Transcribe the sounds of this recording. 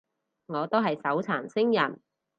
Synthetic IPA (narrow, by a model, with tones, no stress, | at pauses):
ŋɔː˨˧t̪o˥wɦɐ˨jsɐ˨˥wt͡sʰaː˨˩nsɪ˥ŋjɐ˨˩n